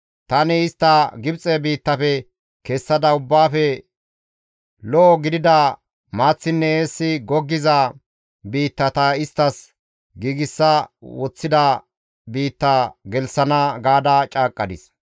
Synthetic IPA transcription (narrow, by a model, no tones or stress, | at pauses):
t̪ɐnɪɪst̪ːɐɡɪbt͡sʼɛbiːt̪ːɐfɛ | kɛsːɐd̪ɐʊbːaːfɛ | lɔɔɡɪd̪ɪd̪ɐ | maːt͡sːɪnːɛeːsːɪɡɔɡːɪzɐ | biːt̪ːɐt̪ɐɪst̪ːɐs | ɡiːɡɪsːɐwɔt͡sːɪd̪ɐ | biːt̪ːɐɡɛlsɐnɐɡaːd̪ɐt͡ʃʼaːkʼːɐd̪ɪs